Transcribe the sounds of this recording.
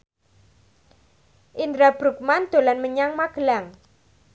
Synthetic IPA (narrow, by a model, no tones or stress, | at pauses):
ʔind̪ɾab̥ɾuk̚mand̪̥o̤lanməɲaŋmaɡ̥əlaŋ